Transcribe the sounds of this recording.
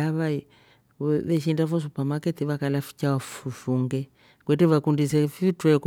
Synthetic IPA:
aβai | βɛʃindafɔs̬upamakɛtiβakalafi̥t͡ʃawafuʃuŋɡɛ | kwɛtɛβakundis̬ɛfitɛk

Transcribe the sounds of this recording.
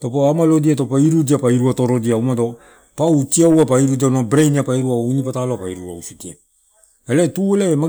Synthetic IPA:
topoamalodiatopaiɾudiapaiɾuatoɾodiaumado̞ | pawtiawapaiɾudianobɾejniapaiɾuainipataloapaiɾuɾausutia | eletuelaema

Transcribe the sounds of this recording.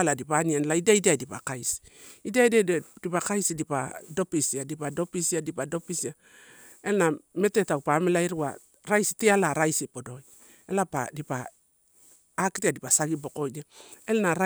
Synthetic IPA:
ladipanianlaidaidiadipa̰kajsi̥idiaidadipakajsidipa̰do̞pisiadipado̞pisiadipado̞pisia | elname̞tetawpamelaiɾwa̰ | ɾajsitialaɾajsipodo̞j | elapa̰dipa | kitiadipasaɡibo̞ko̞niaelnaɾa

